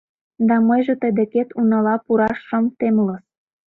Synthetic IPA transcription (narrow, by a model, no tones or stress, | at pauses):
d̪ɑməjʒĕt̪əd̪ĕket̪unɑlɑpuɾɑʃːə̆mt̪emləs